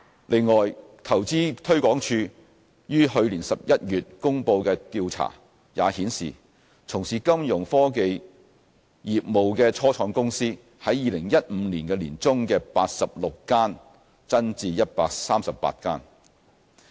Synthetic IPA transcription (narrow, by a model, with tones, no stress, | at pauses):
lɪ˨˩ŋːɔː˨˩jt̪ʰɐ˨˩wt͡siː˥t̪ʰɵ˥ɥkʷɔː˨˥ŋt͡ʃʰyː˧ | jyː˥ɦɵ˧ɥliː˨˩nsɐ˨p̚jɐ˥t̚jyː˨t̚kʊ˥ŋpo˧wkɛː˧t̪iː˧wt͡sʰa̰ː˨˩ | jaː˨˧hiː˨˥nsḭː˨˩ | t͡sʰʊ˨˩ŋsiː˨kɐ˥mjʊ˨˩ŋfɔː˥ke˧j | jiː˨p̚mo˨wkɛː˧t͡sʰɔː˥t͡sʰɔː˨˧˥ŋkʊ˥ŋsiː˥ | hɐ˨˥jːiː˨˧lɪ˨˩ŋjɐ˥t̚m̩˨˧liː˨˩nkɛː˧liː˨˩nt͡sʊ˥ŋkɛː˧paː˧t̚sɐ˨p̚lʊ˨kːaː˥n | t͡sɐ˥nt͡siː˧jɐ˥t̚paː˧k̚saː˥msɐ˨pːa̰ː˧t̚ka̰ː˥n